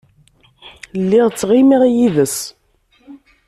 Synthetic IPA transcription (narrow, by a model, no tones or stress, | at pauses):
lːiʁt͡sːʁimiʁjiðəs